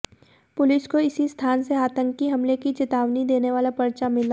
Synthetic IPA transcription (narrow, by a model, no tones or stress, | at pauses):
pʊlɪskoɪsist̪ʰaːnseaːt̪ə̃ŋkːiɦɐmlekit͡ʃɪt̪aːʋnid̪eːneʋaːlapɐɾt͡ʃamɪla